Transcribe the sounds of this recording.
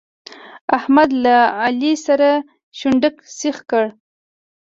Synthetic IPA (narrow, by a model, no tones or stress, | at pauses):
ahmad̪laalisaɾa | ʃuɳɖəksixkəɽ